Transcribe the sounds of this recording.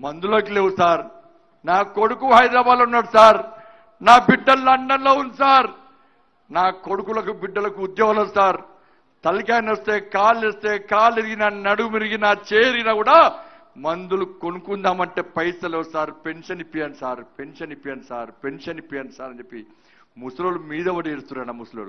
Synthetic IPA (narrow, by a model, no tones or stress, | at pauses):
mɐnd̪uloːkileːwusaːɾ | naːko̞ɽukuɦɐjd̪ɾaːbaːd̪lunːaːɽusaːɾ | naːbiɖːɐlːɐɳɖɐnlo̞ːunisaːɾ | naːko̞ɽukulɐkubiɖːɐlɐkuːd̪jɔːɡɐlɐsaːɾ | t̪ɐlikaːjnost̪e̞ːkaːlːest̪eːkaːliɾiɡinɐnɐɽumiɾiɡinaːt͡ʃeːɾiɡinɐkuːɽaː | mɐnd̪ulukonukund̪aːmɐɳʈe̞ːpɐjsɐleːsaːɾpe̞nʂɐnipːijaːnsaːɾpe̞nʂɐnipːijaːnusaːɾpe̞nʂɐnipːijaːnusaːɾɐnd͡ʒepːi | musloːlumiːd̪ɐʋɐɽeːɾust̪uɾɐnamusulo̰ːlu